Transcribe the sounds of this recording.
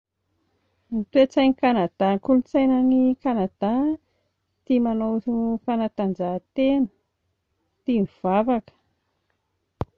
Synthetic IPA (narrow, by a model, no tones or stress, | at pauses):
nit̪uet͡sajnikanad̪̥akulut͡sajnənikanad̪̥a | t̪imanowfanat̪and͡ʒat̪enə̥ | t̪imiv̥avakə̥